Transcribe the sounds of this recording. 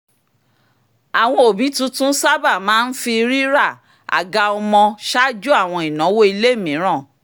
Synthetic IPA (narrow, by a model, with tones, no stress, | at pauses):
a˨w̃ɔ̃˧o˨bi˨˦tũ˦tũ˦sa˦ba˦˨mãː˨˦n̩˦fi˧ɾi˦ɾa˦˨ | a̰˨ɡa˧ɔ˧mɔ̃˧ʃa˦d͡ʒu˦a˦˨w̃ɔ̃˧i˨nɔ̃˨˦wo˦i˧le˦˨mĩ˨˦ɾ̃ã˦˨